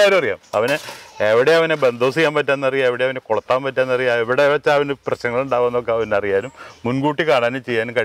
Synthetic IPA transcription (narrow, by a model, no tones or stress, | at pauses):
aːɾumɐrija̰ːmɐ̰ʋɐnɨeʋiɽeɐʋɐnebend̪ʱo̞ːsikːaːmpɐtːaːnːɐrijaeʋiɽeɐʋɐnekoɭɐt̪ːaːmpɐtːaːnːɐrijaeʋiɽeʋɐt͡ɕːaʋɐneprɐɕnɐŋːɐɭuɳɖaːʋenːok̬ːeɐʋɐnːeɐrijaːnumːunɡuːʈːikaːɳaːnumt͡ɕe̞jːaːnumkɐi